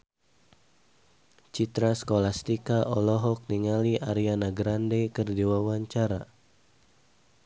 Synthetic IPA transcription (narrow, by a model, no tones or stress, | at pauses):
t͡ʃit̪ɾasə̥kolast̪ikaʔɔlɔɦɔk̚niŋaliʔaɾianaɡɾandɛkərdiwawaɲt͡ʃaɾa